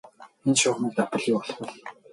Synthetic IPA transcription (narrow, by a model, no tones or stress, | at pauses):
enʃʊːχniːk̚t̪ap̪ə̆ɮiːɔɮpɔ̆ɮ